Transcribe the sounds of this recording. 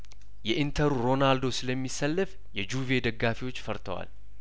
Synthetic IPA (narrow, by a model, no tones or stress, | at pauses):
jɛʔint̪ʰəɾuɾo̞nald̪o̞sɨləmːisːəlːɨf | jɛd͡ʒuve̞d̪əɡːafiwot͡ʃːfəɾt̪ʰəwa̰l